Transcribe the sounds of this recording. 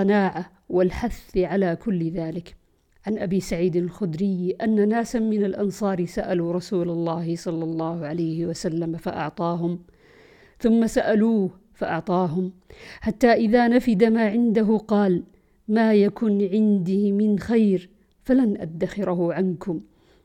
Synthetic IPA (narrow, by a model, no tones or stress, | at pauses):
ɑnaːʕa | wɪlħaθʕalaːkʊlːðaːlɪk | ʕanʔabiːsaʕiːd̪alxʊd̪ɾɪjːʔanːanaːsamɪnalʔɑnsˤɑːɾsaʔaluːɾˤɑsuːlɑlːɑːhɪsˤɑlːɑlˤːɑːhʊʕalajhɪwasalːamafa̰ʔɑ̰ʕt̪ˤɑːɦʊm | θʊmːasaʔaluːh | faʔɑʕt̪ˤɑːɦʊmħat̪ːaːʔɪðaːnafɪd̪amaːʕɪnd̪aɦʊqɑːl | maːjakʊnʕɪnd̪iːmɪnxajɾ | falanʔa̰ːaxɪɾɦʊʕankʊm